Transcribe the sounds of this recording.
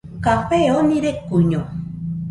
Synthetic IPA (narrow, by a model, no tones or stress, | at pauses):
kaɸeonĩɾekuɲo